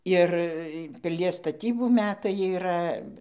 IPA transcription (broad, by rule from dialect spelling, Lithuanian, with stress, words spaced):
ˈɪr pʲɪˈlʲiɛs stɐˈtʲiːbuː ˈmʲæːtɐɪ iːˈrɐ